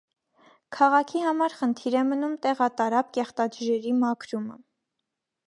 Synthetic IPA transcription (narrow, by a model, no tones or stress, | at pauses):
kʰɑʁɑkʰiɦɑmɑɾχənt̪ʰiɾɛmənumt̪ɛʁɑt̪ɑɾɑp̚kɛχt̪ɑd͡ʒuʒɛɾimɑkʰɾumə̰